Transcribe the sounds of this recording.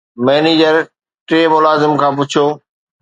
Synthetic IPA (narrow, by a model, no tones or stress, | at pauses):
mɛːneːd͡ʑəɾ | ʈɾeːmʊlaːzɪmkʰãːp̬ʊt͡ɕʰjoː